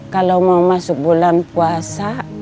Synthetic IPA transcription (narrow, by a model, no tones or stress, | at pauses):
kalaumawmasuk̚bulanpuasa